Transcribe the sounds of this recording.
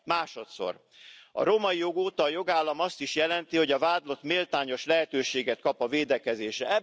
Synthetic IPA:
maːʃo̞t̪so̞̰r | ɒ̰ɾomɒijo̞ɡoːt̪ɒːjo̞ɡaːlːɒmɒst̪iʃjɛlɛnt̪iho̞ɟɒvaːd̪lo̞t̪meːlt̪aːɲo̞ʃlɛɦɛt̪øːʃeːɡɛt̪̚kɒpɒveːd̪ɛkɛzeːʃɛɛ

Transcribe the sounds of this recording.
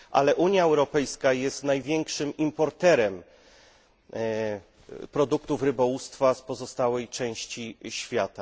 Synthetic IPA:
ʔa̰lɛʔuɲjaɛwɾɔpɛjskajɛst̪najvʲjɛŋkʂɘmimpɔɾt̪ɛɾɛm | pɾɔd̪ukt̪ufɾɘbɔwust̪faspɔzɔst̪awɛjt͡ʂɛ̃w̃ɕt͡ɕiɕfʲjat̪a

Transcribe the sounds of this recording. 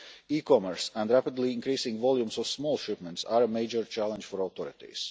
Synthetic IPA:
iːkɔməɹsæ̃ndɾæpɪd̪liĩnkɾiːsĩŋɡvɔlˠjũmsɔvsmoːlˠʃɪpmɛ̃ntsaːɾəmeɪd͡ʒəɹt͡ʃælˠɛ̃nd͡ʒfɔɾaʊt̪ɔɾɪt̪ḭs

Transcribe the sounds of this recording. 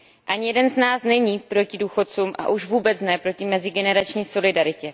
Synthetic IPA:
ʔaɲɪjɛdɛnznaːsnɛɲiːpɾo̞cɪduːxo̞t͡suːmʔa̰ʔuʃvuːbɛt͡snɛpɾo̞cɪmɛzɪɡɛnɛɾat͡ʃɲiːso̞lɪdaɾɪcɛ

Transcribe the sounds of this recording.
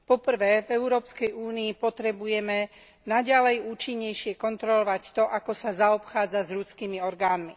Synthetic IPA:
pɔpr̩ʋɛːvɛʊɾɔːpskɛjuːniːpɔt̪ɾɛbujɛmɛ | naɟalɛjuːt͡ʃiɲːɛjʃɪɛkɔnt̪ɾɔlɔʋact̪ɔʔakɔsazaɔpxaːd͡zazʎut͡skiːmiɔɾɡaːnmi

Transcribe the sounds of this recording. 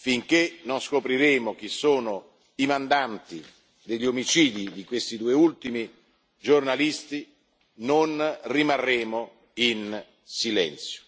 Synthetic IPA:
fiŋkenonskopɾiɾeːmok̟isːoːno | imand̪ant̪i | d̪eʎːomit͡ʃiːd̪id̪ikwest̪id̪uːeult̪imi | d͡ʒornalist̪i | nonrimarːeːmo | in | silɛ̰nt̪sjo̥

